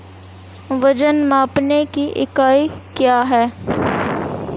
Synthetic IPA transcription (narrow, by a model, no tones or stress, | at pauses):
ʋɐd͡ʒənmaːpnekiʔɪ̰kaːikjaːɦɛː